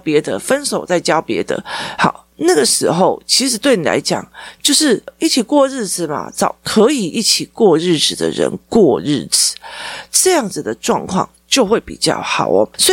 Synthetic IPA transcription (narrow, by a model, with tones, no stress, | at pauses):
pjɛ˧˥d̪ə̰˧fə˦nso˨˩ʊt͡sa˥˩ɪt͡ɕjɑ˥ʊpjɛ̰˧˥d̪ə̰˧xɑ˨˩ʊna˥˩ɡə˩ʂɻ̩˧˥xo˥˧ʊt͡ɕʰi˧˥ʂɻ̩˨˩˦t̪we˥˩ɪni˨lʔa̰˧˥ɪt͡ɕjɑ̰˨˩˦ŋt͡ɕjo˥˧ʊʂɻ̩˥˩i˥˩t͡ɕʰi˨˩kwɔ˥˧ɻɻ̩˥˩d͡zɹ̩˨˩mɐ̰˩t͡sɑ˨˩ʊkʰɤ˧˥i˨˩i˥˩t͡ɕʰi˨˩kwɔ˥˧ɻɻ̩˥˩t͡s̩˨˩d̪ə̰˨˦ɻə̰˧˥nkwɔ˥˧ɻ̩˥˩t͡sɹ̩˨˦ʈ͡ʂɤ˥˧jɑ˥˩ŋd͡zɹ̩˨˩d̪ə˩ʈ͡ʂwɑ̰˥˧ŋkʰwɑ̰˥˧˩ŋt͡ɕjo˥˧ʊxwe˥˩ɪpḭ˨˩t͡ɕjɑ̰˥˩ʊxɑ̰˨˩ʊ˦swɔ˧˥